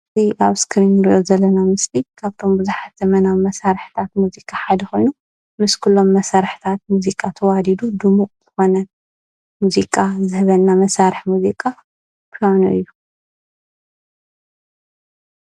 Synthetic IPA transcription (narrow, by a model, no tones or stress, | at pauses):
ziʔaβskʰɾinɨɾiʔo̞zɐlːɐnamɨslikʰaβt̪ʰo̞mbɨzuħat̪ɐmɐnamɐsaɾħt̪ʰat̪̚muzikʼaħad̪ɐxo̞jnu | mɨskʰulːo̞mːɐsaɾħt̪ʰat̪̚muzikʼat̪ʰɐwad̪id̪ud̪ɨmukʼz̥ɨxo̞nɐ | muzikʼazɨhβɐlnːamɐsaɾɨħmuzikʼa | pʰlanṵʔɨ̰jːu